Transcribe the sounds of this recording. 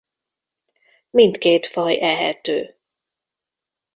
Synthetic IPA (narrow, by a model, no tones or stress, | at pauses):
mint̪keːt̪fɒjʔɛɦɛ̰t̪øː